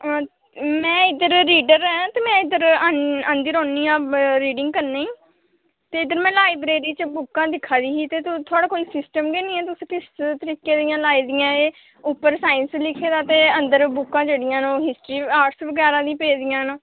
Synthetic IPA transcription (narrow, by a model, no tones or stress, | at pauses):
mɛ̃ːɪd̪əɾːiːɖəɾɛːãt̪eːmɛ̃ːɪd̪əɾəənd̪ɪɾõːnːiːãːɾiːɖɪ̃ŋɡ̚kəɾnẽːiː | t̪eːɪd̪əɾmɛ̃ːlaːiːbɾeːɾiːt͡ʃəbʊkːãːd̪ɪkʰːaːɾiːɦiːt̪eːt̪ʊt̪ʰoaːɽaːkoːiːsɪsʈəmɡeːnĩːɛːt̪ʊsĩːkɪst̪əɾiːkeːd̪ɪjãːlaːiːd̪ɪjãːeː | ʊpːəɾsaːɪnslɪkʰːeːd̪aːt̪eːənd̪əɾbʊkːãːd͡ʒeːɽɪjãːnoːɦɪsʈɾiːaːʈsʋəɡɛːɾãːd̪ĩːpeːd̪ɪjãːnː